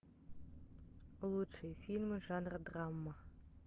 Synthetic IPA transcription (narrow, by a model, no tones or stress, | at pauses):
lˠut͡ʃʰɨjfilʲmɨʒaːnrɐdramːa